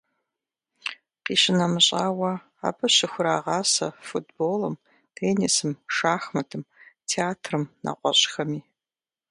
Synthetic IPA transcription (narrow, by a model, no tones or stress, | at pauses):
qiːɕɪnɐmɨɕʼaːwɐ | a̰ːbɐɕɪxʷʊɾaːʁɑːsɐfutʰboːlɐm | tʰeːnisɨmʂaːxmɐtʰɨmtʰeaːtʰrɨmna̰qʷʼɔɕʼxɐmiː